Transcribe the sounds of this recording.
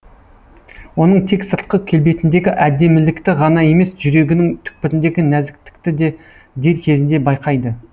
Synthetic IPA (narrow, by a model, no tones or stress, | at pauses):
wo̞n̪əɴt̪ʰe̞ksəɾt̪̚qəkʲʰe̞lbe̞jt̪ɪnd̪e̞ɡʲɪʔæd̪e̞mɪlɪkt̪ɪʁɑnɑje̞me̞sʒʏɾe̞ɡʲɪnɪŋt̪ʰʏ̥k̚pɪɾɪnd̪e̞ɡʲɪnæzɪk̚t̪ɪ̥kt̪ɪd̪e | d̪e̞ɾkʲʰe̞zɪnd̪e̞bɑjqɑjd̪ə